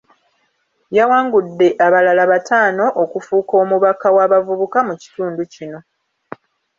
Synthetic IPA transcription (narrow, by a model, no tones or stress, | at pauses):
jawaːŋɡudːe̞ʔaβalalaβataːno̞ʔokufuːko̞ːmuβakawaβavuβukamuci̥tuːnducino̞